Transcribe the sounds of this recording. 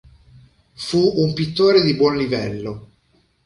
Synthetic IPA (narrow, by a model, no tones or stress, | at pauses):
fuumpit̪ːoːɾed̪ibwɔnlivɛlːo